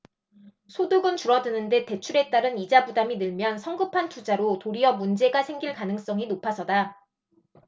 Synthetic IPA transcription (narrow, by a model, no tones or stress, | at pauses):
sʰoduɡɯnt͡ɕuɾʌdɯnɯnde̞te̞t͡ɕʰuɾe̞t͈aɾɯnid͡ʑabudaminɯɭmjʌnsʰʌŋɡɯpʰantʰud͡ʑaɾotoɾiʌmund͡ʑe̞ɡasʰe̞ŋɡiɭkanɯŋs͈ʌŋinopʰasʰʌda